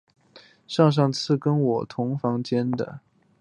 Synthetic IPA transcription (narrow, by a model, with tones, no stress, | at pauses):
ʂɑ˥˧ŋʂ̬ɑ˥˧ŋt͡sʰɹ̩˥˩kə˥nwɔ˨˩t̪ʰʊ˧˥ŋfɑ˧˥ŋt͡ɕjɛ˥nd̪ə̰˨